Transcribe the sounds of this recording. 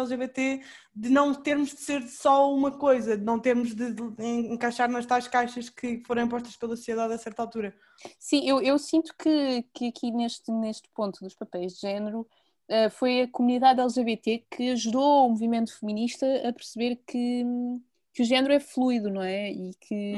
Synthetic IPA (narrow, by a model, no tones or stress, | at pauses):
ɛlˠʒeβet̪e | d̪ɨnɐ̃w̃t̪eɾmuʒd̪ɨseɾsɔumɐkojzɐnɐ̃w̃t̪eɾmuʒðɨẽẽŋkajʃaɾnɐʃt̪ajʃkajʃɐʃkʰɨfoɾɐ̃w̃ĩp̬ɔʃt̪ɐ̥ʃpelˠɐsu̥sjeðaðɐsɛɾt̪alˠt̪uɾɐ | sĩʔewewsĩnt̪u̥kɨkɨɐkʰineʃt̪neʃt̪põnt̪uðuʃpɐpɛjʒd̪ʒɛnɨɾu | ɛfojɐkumuniðaðɛlˠʒeβet̪ekʰɨɐʒuðoumuvimẽnt̪u̥fɨminiʃt̪ɐɐpɨɾsɨβeɾkʰɨ | kuʒɛnɾuɛflˠuiðunɐ̃w̃ɛikʰɨ